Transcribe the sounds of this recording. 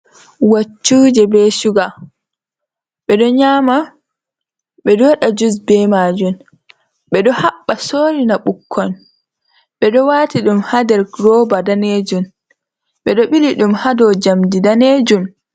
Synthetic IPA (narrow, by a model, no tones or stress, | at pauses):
wat͡ʃːuːd͡ʒɛbɛʃuɡa | ɓɛɗɔɲaːma | ɓɛdɔɗad͡ʒus̬bɛmaːd͡ʒum | ɓɛɗɔhaɓːasoːɾinaɓukʰːɔn | ɓɛɗɔwaːtiɗumhadɛɾɡɾɔːbadaned͡ʒun | ɓɛɗɔɓiliɗumhadɔd͡ʒamdidaneːd͡ʒum